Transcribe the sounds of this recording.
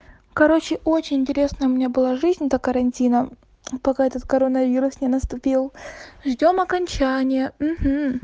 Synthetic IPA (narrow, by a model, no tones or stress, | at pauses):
kɐɾo̞t͡ɕɪʔo̞t͡ɕɪnʲɪnʲtʲɪɾʲe̞snəʊmʲɪnʲabɨlˠaʐɨzʲnʲɛt̪əkəɾɐnʲtʲinə | pɐkaɛt̪ət̪̚kɐɾonəvʲiɾʊsnʲɪnəst̪ʊpʲilˠʐdʲo̞mɐkɐnʲt͡ɕænʲɪjəm̩ɦm̩